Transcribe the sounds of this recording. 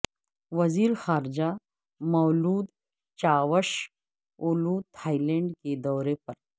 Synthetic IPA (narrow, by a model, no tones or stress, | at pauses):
ʋɐziːɾxaːɾd͡ʑa | mɐwluːd̪ | t͡ɕaʋəɕ | oluːt̪ʰajleɳɖked̪ɔwɾepəɾ